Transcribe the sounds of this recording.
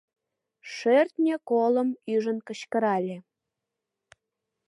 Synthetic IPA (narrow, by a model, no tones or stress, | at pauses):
ʃørt̪ʲnʲekolə̆myʒənkə̆ɕkə̆ɾɑlʲe